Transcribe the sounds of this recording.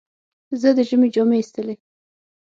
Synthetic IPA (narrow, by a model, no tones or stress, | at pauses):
zəd̪əʒəmed͡ʒomeist̪əle